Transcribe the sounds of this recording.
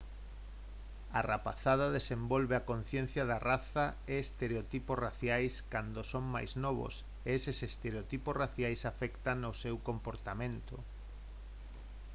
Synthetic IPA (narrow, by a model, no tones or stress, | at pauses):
arapa̰θaðaðesembolβeakon̟θjẽn̟θjaðaraθaeːst̪eɾeot̪ipozraθjajskand̪osoŋma̰jznɔβ̞o̰s | eesesest̪eɾeot̪iposraθjajsafɛkt̪aŋosewkompoɾt̪amẽnt̪ʊ̰